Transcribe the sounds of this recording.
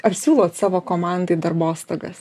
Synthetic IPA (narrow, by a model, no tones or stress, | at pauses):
ɐpsʲuːlˠoːt̪sɑːʋoːkoːmɑnd̪ɐɪd̪ɐrboːst̪ɐɡɐs